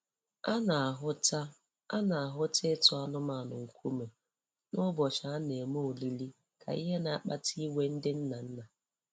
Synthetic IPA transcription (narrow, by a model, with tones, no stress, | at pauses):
a˦na˨ɦʊ˦ta˦ | a˦na˨a˨ɦʊ˦te˦tʊ˨a˦nʊ˦ma˨nʊ˨ŋ̩˨kʰʷu˦me˨ | nʊ˦bɔ˨ʃa˨a˦ne˨mo˦o˨li˦li˦ | kʰa̰˨ḭ˦ɦe˦na˨a˨k͡pa˦tʰi˦we˦n̩˦dɪ˦n̩˦na˨n̩˦na˨